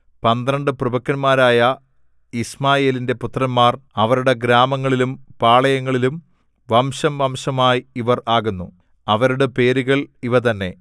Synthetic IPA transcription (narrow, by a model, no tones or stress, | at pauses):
pɐnd̪ɾɐɳɖɨprɨbɐkːɐnmaːɾaːjɐ | ismaːje̞ːlinde̞put̪rɐnmaːrɐʋɐɾuɽe̞ɡɾaːmɐŋːɐɭilumpaːɭɐjɐŋːɐɭilum | ʋɐmɕɐmʋɐmɕɐmaːjiʋɐraːɣunːu | ɐʋɐɾuɽepe̞ːɾuɣɐɭiʋɐt̪ɐnːe̞